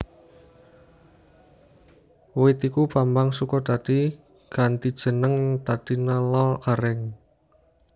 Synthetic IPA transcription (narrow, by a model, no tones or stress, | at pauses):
wɪt̪ikupambaŋsukɔt̪ad̪̥i | ɡ̥a̤nt̪id̥ʒ̥ə̤nəŋt̪ad̪̥inalɔlkaɾɛŋ